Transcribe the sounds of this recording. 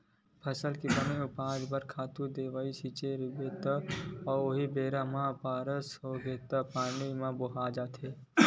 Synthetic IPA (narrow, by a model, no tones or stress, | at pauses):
pʰəsəlkibəmiʊpaːd͡ʒbɐɾkʰaːt̪ud̪eːʋaːisiːt͡ʃeɾɪbet̪əɔːɾoɦibeːɾamãpaːɾəsoːɡeːt̪əpaːnimãbʊɦaːd͡ʒaːt̪ʰeː